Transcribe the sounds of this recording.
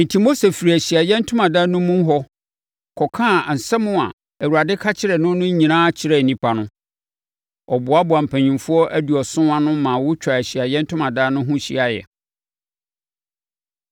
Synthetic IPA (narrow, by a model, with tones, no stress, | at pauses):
n̩˨tʰi˨mo˦se˨fi˨ɾi˨æ˨ɕi˨a˨jɛ̃˦n̩˦tʰʊ̃˦mã˨da˦nʊ̃˦mũ˦ɦɔ˦ | kʰɔ˨kʰã˦˨n̩˨sɛ˦mʊ̃˦a̰˨ | æ˨wu˨ɾa˨dɪ˦kʰa˦t͡ɕʰɪ˦ɾɛ˨nʊ̃˦nʊ̃˦ɲĩ˨nãː˦t͡ɕʰɪ˦ɾɛ˨nĩ˦pʰa˨nʊ̃˦ | ɔ˨bʊ˨a˦bʊ˨a˨m̩˨pʰæ̃˨ɲĩ˨mfʊ˦ɔ˦ʔæ˦du˨ɔ˨sʊ̃˦a˦nʊ̃˦mã˨wʊ˦t͡ɕᶣa˨æ˨ɕi˨a˨jɛ̃˦n̩˦tʰʊ̃˦mã˨da˦nʊ̃˦ɦʊ̃˦ɕḭ˦a˦jɛ̰˨